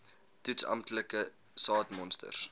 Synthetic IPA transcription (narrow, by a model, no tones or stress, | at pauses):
tytsɐ̰mtləkə | sɑːtmɔnstə̰rs